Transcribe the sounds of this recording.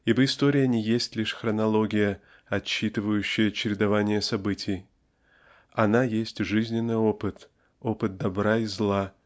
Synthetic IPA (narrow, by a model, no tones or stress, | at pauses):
ibəɪst̪oɾʲɪjənʲɪjesʲtʲlʲiʂxɾənɐlˠo̞ɡʲɪjə | ɐt͡ɕːit̪ɨvəjʉɕːɪjət͡ɕɪɾʲɪd̪ɐvanʲɪjəsɐbɨtʲʰɪj | ɐnajesʲtʲʐɨzʲnʲɪnːɨjo̞pɨt̪ | o̞pɨt̪̚d̪ɐbɾaizlˠa